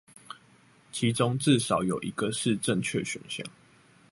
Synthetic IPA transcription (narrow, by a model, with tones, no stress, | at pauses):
t͡ɕʰi˨˦ʈ͡ʂʊ˦ŋt͡s̩˥˨ʂɑ˨˩ʊjo˨˩ʊʔi˨˥ɡə˨ʂɻ̩˥˨ʈ͡ʂə˥˨ŋt͡ɕʰɥɛ̰˥˨ɕɥɛ̰˨˩nɕjɑ̰˥˨ŋ